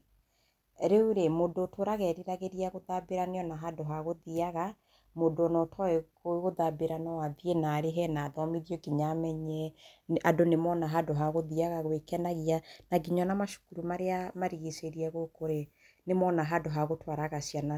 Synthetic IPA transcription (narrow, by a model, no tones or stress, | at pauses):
ɾeuɾemodotʰoɾaɣɛɾiɾaɣeɾiaɣoðabeɾaneɔnaɦadoɦaɣoðiaɣa | modoonɔtʰɔekoɣoðabeɾanawaðienaɾeɦɛnaːðɔmiðjɔɡiɲamɛɲɛadonemɔnaɦadoɦaɣoðiaɣaɣwekɛnaɣianaɡiɲɔnamaʃo̥kuɾumaɾeamaɾiɣeseɾiɛɣokoɾe | nemɔnaɦadoɦaɣotwaɾaɣasjana